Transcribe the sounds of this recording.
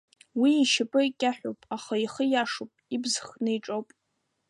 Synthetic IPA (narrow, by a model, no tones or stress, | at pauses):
wiːʃapʼɨikʲʼaħʷᶣowpʼaχaiχəjaʂopʼibzχnɨjʈ͡ʂʼowpʼ